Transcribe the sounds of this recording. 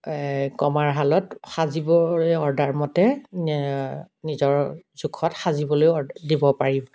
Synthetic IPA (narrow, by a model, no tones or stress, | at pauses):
kɔmaɹɦalɔtxazibɔjɔɹdaɹmɔtɛ | nizɔɹz̥ukʰɔtxazibɔlojɔdibɔpaɹibɔ